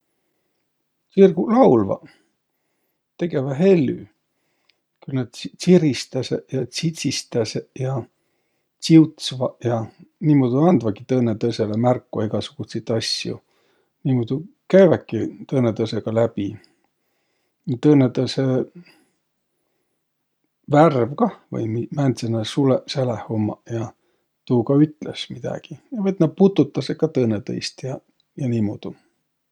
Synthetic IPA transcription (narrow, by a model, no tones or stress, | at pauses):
sirɡulɑwlvɑ̰ | t̪e̞ɡe̞vɑɦe̞lːy̰ | kylnɑd̪̥siɾist̪ɑsejɑsit̪ʲsist̪ɑsejɑ | t͡siut̪svɑjɑniːmod̪̥uɑnd̪̥vɑɡit̪ɤːnet̪ɤse̞lemærkːuɑiɡ̥ɑsuɡ̥uset̪ːˑɑsjṵ | niːmod̪̥u | kæjvɑkːˑit̪ɤːnet̪ɤseɡ̥ɑlæb̥i | t̪ɤːnet̪ɤse | værvkɑvɤ̰jmimænt̪senːɑsuleselehomːɑ̰jɑ | t̪uːkɑyt̪ːˑlḛsmid̪̥ɑ̰ɡ̥ijɑvɑt̪nɑput̪ːˑut̪ːˑɑsekːɑt̪ɤːnet̪ɤ̰jst̪jɑ | jɑniːmo̰ːd̪̥u